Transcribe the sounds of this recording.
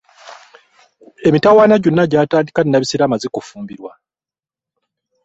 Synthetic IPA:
e̞mitawaːnaɟonːaɟaːtaːndikaninːaβisiɾamazekofuːmbiɾwa

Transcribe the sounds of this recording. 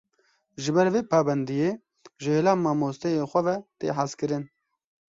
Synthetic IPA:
ʒɪbɛɾveːpʰɑːbɛnd̪ijeː | ʒɨeːlaːmːɑːmoːst̪ɛjeːxʷɛvɛt̪ḛːħazkɨɾɨn

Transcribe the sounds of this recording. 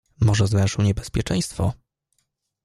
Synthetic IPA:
mɔʐɛzvɛ̃ʂɨwɲɛbɛspʲjɛt͡ʂɛ̃j̃st̪fɔ

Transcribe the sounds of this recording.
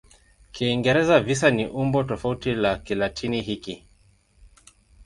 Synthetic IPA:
kʰiːŋɡɛɾɛzavis̬aniʔumbɔtɔfautilakilatʰiniɦiki

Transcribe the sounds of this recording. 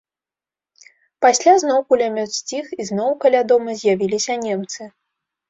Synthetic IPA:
pasʲlʲaznɔwkulʲamʲɔt̪sʲt͡sʲixiznɔwkalʲad̪ɔmɐzʲjavʲilʲisʲɐnʲemt̪sɨ

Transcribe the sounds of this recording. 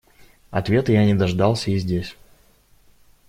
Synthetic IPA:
ɐ̰t̪vʲe̞t̪ɨjanʲɪd̪ɐʐd̪ɑlˠsʲəizʲdʲesʲ

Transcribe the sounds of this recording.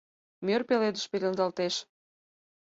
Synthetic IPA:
mʲørpeled̪ə̆ʃpelʲənzɑlt̪eʃ

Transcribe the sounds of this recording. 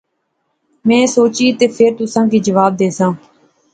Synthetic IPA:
mɛ̃ːsoːt͡ʃiːt̪eːpʰeːɾt̪ʊsãːkiːd͡ʒəʋaːb̚d̪eːsãː

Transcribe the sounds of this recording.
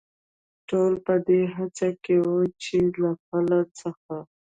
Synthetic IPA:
ʈolpəd̪eɦat͡sakewot͡ʃelaxalat͡səxa

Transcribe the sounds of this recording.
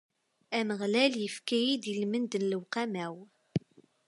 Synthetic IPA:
æməʁlæljəfkæjid̪əlmənd̪ənləwqæmæw

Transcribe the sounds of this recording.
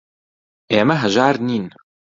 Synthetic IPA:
eːmɐɦɐʒaːɾniːn

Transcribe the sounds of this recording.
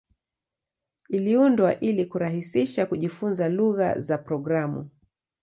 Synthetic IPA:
iliundwaʔilikuɾahisiʃakuʄifunzaluɣa̰zapɾɔɡɾamṵ

